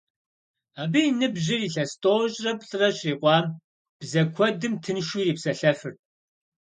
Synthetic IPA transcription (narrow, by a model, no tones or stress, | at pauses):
aːbijnɨbʑɪriːɬɐstʼoːɕʼrɐpɬʼɨrɐɕʼriːqʷɑːm | b̥zɐkʷʰɔdɨmtʰɨnʃuːriːpsɐɬɐfɨr